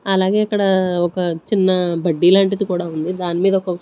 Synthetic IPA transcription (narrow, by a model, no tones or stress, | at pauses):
ɐlaːɡe̞ːɐkːɐɽɐɔkɐt͡ʃinːɐbɐɖːiːlaːɳʈid̪ikuːɽaːund̪id̪aːnimiːd̪ɐɔkɐ